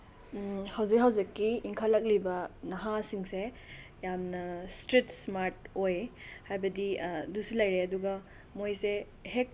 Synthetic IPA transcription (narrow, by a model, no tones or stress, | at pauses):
hawzik̚ɦawzikːiːŋkʰalɐk̚libɐnɐɦasiŋse | jamnɐstɾitsmaɾtojhajbɐdidusulajɾeɐduɡɐ | mojse | hek̚